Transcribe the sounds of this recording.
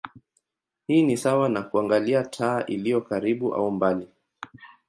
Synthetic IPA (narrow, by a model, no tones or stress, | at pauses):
hiːnisawanakuaŋɡaliatʰaːʔilijɔkaɾiɓuʔa̰umbali